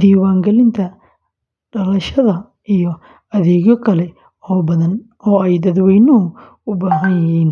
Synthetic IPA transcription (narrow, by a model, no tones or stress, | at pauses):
d̪iːwaːŋɡɐlɪnt̪ʰɐ | ɖɐlɐʃɐðɐ | ijɔ | ɐðɛːɣɔkʰɐlɛ | ɔːbɐðɐn | ɔːɛjd̪ɐd̪wɛjnɔɦʊ | ʊbaːɦɐnjɐɦiːn